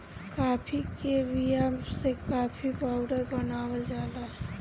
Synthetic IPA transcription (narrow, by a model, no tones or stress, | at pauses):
kaːpʰikebijamsekaːpʰipaʊɖəɾbənaːwəld͡ʒaːd̪aɦɛ